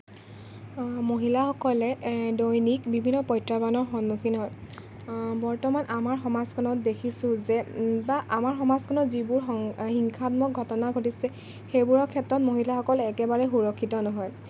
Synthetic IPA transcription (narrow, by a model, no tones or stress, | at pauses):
moɦilaxɔkɔlɛdojnikbibʱinːɔpɔjtɹabanɔɹxɔnmukʰinɦɔj | bɔɹtɔmanʔamaɹxɔmazkʰɔnɔt̚dekʰisʊ̃zɛbaʔamaɹxɔmazkʰɔnɔzibuɹɦɔxiŋkʰatmɔk̚ɡʱɔtɔnaɡʱotisɛ | xejbuɹɔkʰɛtɹɔt̚moɦilaxɔkɔlɛːkɛbaɹɛxuɹɔkʰːitɔnɔɦɔj